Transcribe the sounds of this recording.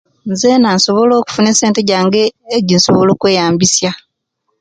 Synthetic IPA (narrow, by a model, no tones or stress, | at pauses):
nzenanso̞βo̞loːku̥funeseːnteɟaːŋɡeːɟinso̞βolo̞ːkwe̞ːjaːmbisja